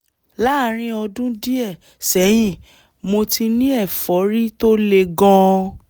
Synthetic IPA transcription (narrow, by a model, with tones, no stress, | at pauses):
la˦ɾ̃ĩ˦ɔ˧dũ˦di˦ɛ˦˨ | sɛ˨˦j̃ĩ˦˨ | mo˧ti˧nĩ˦ɛ˦˨fɔ˨˦ɾi˦to˦le˧ɡɔ̃˦˧